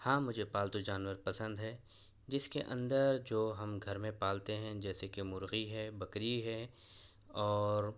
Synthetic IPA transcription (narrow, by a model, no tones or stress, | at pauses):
hãːmʊd͡ʒʱepaːlt̪ud͡ʒaːnwəɾpɐsə̃nd̪ɦɛː | d͡ʒɪskeʔɐ̰̃nd̪əɾd͡ʒoːɦɐmɡʱɐɾmẽpaːlt̪eɦɛ̃d͡ʒɛːsekemʊɾɣiɦɛːbɐkɾiɦɛː | ɔːɾ